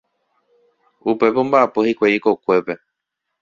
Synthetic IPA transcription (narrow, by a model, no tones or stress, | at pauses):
upe̞põmbaapohikʷaiko̞kʷe̞pe̞